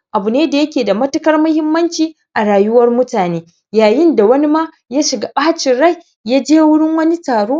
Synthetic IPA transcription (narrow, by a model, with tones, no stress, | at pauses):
ʔa˨bʊ˨neː˦da˨jɐ˦kʲeː˨da˨mɐ˦tʊ˦kɐ˦rmʊ˦hɪ˦mːɐ˦nt͡ʃiː˨ | ʔa˨ɽaː˨jʊ˦wɐ˦rmʊ˦taː˨neː˦ | jaː˨jɪ˦nda˨wɐ˦ni˦ma˦ | jaː˦ʃɪ˨ɡa˦ɓaː˦t͡ʃɪ˨nɽa˦˨jː | aː˦d͡ʒeː˦wʊ˦ɽɪ˦ŋwɐ˦ni˦taː˨ɽoː˦